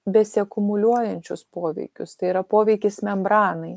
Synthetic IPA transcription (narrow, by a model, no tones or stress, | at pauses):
bʲɛsʲɪɐkʊmʊlʲuɔjɛnʲt͡ʃʲʊspoːʋʲɛ̰ɪkʲʊst̪ɐɪiːɾɐpoːʋʲɛɪkʲɪsmʲɛmbɾɑːnɐɪ